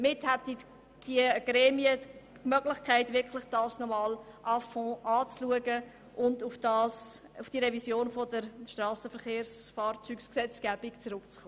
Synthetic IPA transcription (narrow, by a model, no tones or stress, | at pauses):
əmɪthæti | d̥iɡ̥ɾɛːmiə | kmœɡlɪχkʰæɪtvɪɾkʰlɪχd̥ɑːsnɔmɑːlʔɑfɔ̃ːʔɑːt͡sluəɡə | ʔʊndufd̥ɑːs | ufd̥iɾɛvisjoːnfɔdəɾʃtrɑːsəfəɾχeːrsfɑːrt͡syːksksɛt͡sɡ̥æːb̥ɪkt͡sɾʊkt͡sχoː